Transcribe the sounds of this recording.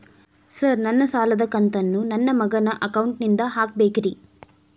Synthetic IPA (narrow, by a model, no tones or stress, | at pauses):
sɐɾnɐnːɐsaːlɐd̪ɐkɐnt̪ɐnːunɐnːɐmɐɡɐnɐʔɐkɐwɳʈnind̪ɐɦaːk̚beːkiɾi